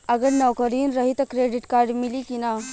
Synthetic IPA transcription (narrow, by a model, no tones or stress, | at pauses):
ɐɡəɾnɐʋkəɾiːnɾɐɦit̪ɐkɾeɖiʈkaːɾɖmilikina